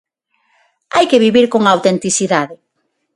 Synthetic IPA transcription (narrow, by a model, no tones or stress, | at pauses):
ajkɪβiβiɾkoŋaawt̪ent̪iθiðaðɪ